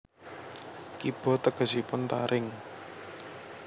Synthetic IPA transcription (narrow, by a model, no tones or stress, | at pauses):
kib̥ɔ̤t̪əɡ̥ə̤sipʊnt̪a̰ɾʔɪŋ